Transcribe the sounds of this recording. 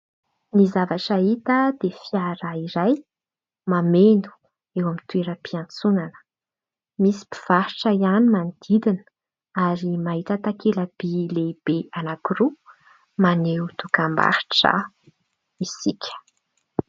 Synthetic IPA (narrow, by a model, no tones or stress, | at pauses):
nizavaʈ͡ʂait̪əd̪̥efiaɾaiɾaj | mamend̪u̥ | ewamit̪ueɾəpiant͡sunanə̥ | misi̥pi̥v̥aɾiʈ͡ʂaianimand̪̥id̪in | aɾimaɦit̪ət̪akeləb̥ileb̥eanakiɾu | manewt̪ukamba̰ɾi̥ʈ͡ʂə̰ | isikʰʲə̥